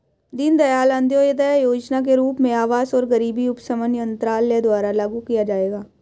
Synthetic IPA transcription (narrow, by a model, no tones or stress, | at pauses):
d̪ɪnd̪ɐjaːlə̃nd̪joːjəd̪əjajoːd͡ʒnak̬eɾuːpmẽaːʋaːsɔːɾɡɐɾiːbiʊpsəmənjə̃nt̪ɾaːlːjed̪waːɾalaːɡukijad͡ʒaːeːɡaː